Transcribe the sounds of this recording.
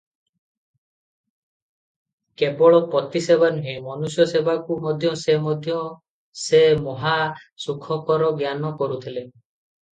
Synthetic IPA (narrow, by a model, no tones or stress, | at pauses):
kebɔɭɔpɔt̪isebanuɦemɔnusjɔsebʱakumɔd̪ʱjɔsemɔd̪ʱjɔ | semɔɦa | sukʰɔkɔɾɔɡjanɔkɔɾut̪ʰile